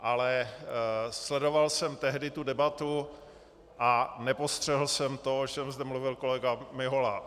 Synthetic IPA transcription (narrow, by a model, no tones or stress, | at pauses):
ʔalɛ | slɛdo̞valsɛmt̪ɛɦdɪt̪udɛbat̪u | ʔanɛpo̞st̪r̝̥ɛɦl̩sɛmt̪oot͡ʃɛmzd̪ɛmluvɪlko̞lɛɡamɪɦola